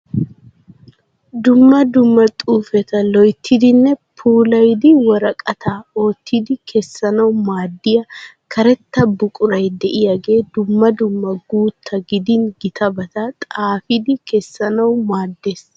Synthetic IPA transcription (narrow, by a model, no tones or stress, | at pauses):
d̪ʊmːɐd̪ʊmːɐt̪ʼuːfɛt̪ɐlɔjt̪ʰːɪd̪ɪnːɛpʰuːlɐjd̪ɪwɔɾɐkʼɐt̪ʰaːoːt̪ʰːɪd̪ɪkʰɛsːɐnɐwmaːd̪ːɪjɐ | kʰɐɾɛt̪ːɐbʊkʼʊɾɐjd̪ɛʔɪjɐɡe̞ːd̪ʊmːɐd̪ʊmːɐɡuːt̪ʰːɐɡɪd̪ɪnɡɪt̪ɐbɐt̪ɐt̪ʼaːfɪd̪ɪkɛsːɐnɐwmaːd̪ːeːs